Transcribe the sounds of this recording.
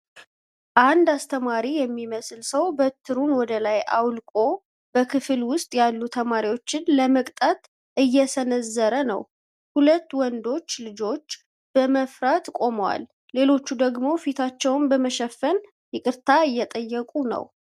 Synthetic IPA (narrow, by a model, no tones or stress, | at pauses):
ʔand̪ast̪ʰəmaɾijɛmːiməslsəwbət̪ʰːɨɾunwɔd̪əlajʔa̰wlkʼo̞ | b̥əkʰɨfɨlwʊst̪ʼjalːut̪ʰəmaɾiwo̞t͡ʃːɪnləməkʼt̪ʼat̪ | ʔɨjːɛsənəzːəɾənə̰w | hulət̪ːwɔnd̪o̞t͡ʃːlɨd͡ʒo̞t͡ʃː | b̥əməfɾat̪kʼo̞mwa̰lː | e̞lo̞t͡ʃːud̪əɡmo̞fit̪ʰat͡ʃːɛwnbəməʃɛfːən | jɨkʼɨɾt̪ʰaɨjːɛt̪ʼəjːɛkʼunə̰w